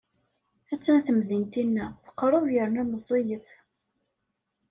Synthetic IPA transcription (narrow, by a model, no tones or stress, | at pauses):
æt͡sːæθəmðint̪inːæθə̥qːrˤʊɾjəɾnuməzˤːejəf